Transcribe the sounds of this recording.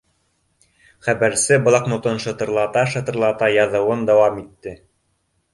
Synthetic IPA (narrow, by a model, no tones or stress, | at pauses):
χæβæɾsɘbŏlˠɑqmŏt̪ɤnʃɤ̆t̪ɤ̆ɾlˠɑt̪ɑʃɤ̆t̪ɤ̆ɾlˠɑt̪ɑjɑðɤ̆wɤnd̪æwɑmit̪ːɘ